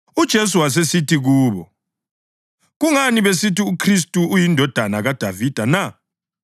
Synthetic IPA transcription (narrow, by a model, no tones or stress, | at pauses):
ud̥ʒ̥ʱes̬uwas̬esitʰiɣuːβɔ | ɣuŋaniβesitiukʰris̬tʼuːjindʱɔd̥ʱanaɣad̥ʱavid̥ʱana